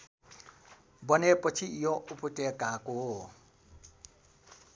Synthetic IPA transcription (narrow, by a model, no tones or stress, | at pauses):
bʌnepɔt͡sʰijɔʔupɔtekako